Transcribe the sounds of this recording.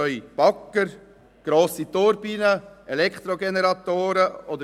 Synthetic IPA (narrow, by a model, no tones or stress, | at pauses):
œʏb̥ɑkːəɾ | ɡ̥ɾoːsit̪oɾbiːnəɛlɛkʰt̪ɾoɡɛnɛɾɑt̪oːɾəod̪ə